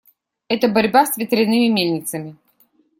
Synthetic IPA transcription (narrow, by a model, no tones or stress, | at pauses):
ɛt̪əbɐɾʲbast̪vʲɪt̪ɾʲɪnːɨmʲɪmʲelʲnʲɪt̪səmʲɪ